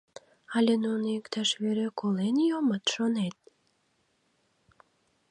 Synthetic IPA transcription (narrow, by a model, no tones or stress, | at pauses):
ɑlʲenunikt̪ɑʃβeɾekolenjomət̪ʃonet̪̚